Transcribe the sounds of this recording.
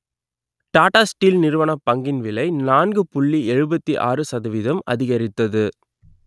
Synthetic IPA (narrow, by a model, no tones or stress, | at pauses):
ʈaːʈaːsʈiːlnɪɾɯʋɐɳɐpːɐŋɡɪnʋɪlɐɪnaːnɡɯpʊɭːiɛɻɯbɐt̪ːiʔa̰ːrɯsɐðɐʋɪðɐmɐ̰ðɪɣɐɾɪt̪ːɐðɯ